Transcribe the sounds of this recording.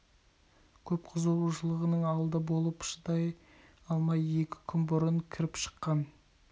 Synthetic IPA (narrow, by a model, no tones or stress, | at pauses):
kʲʰɵp̚qʰʊzuuʒəlˠəʁənəɴɑwlˠd̪əbo̞lˠəpʃəd̪ɑj | ɑlˠmɑje̞kʲɪ̥kʲʰʏnbʊɾəɴkʲʰɪɾɪpʃə̥qːɑn